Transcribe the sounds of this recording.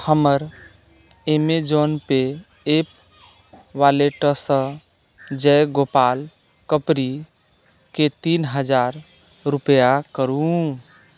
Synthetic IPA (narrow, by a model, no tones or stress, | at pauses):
həməɾ | emed͡ʒonpe | ep | ʋaleʈəsə̃ | d͡ʒɛɡopal | kəpɾi | ket̪inɦəd͡ʒaɾ | ɾupəjakəɾu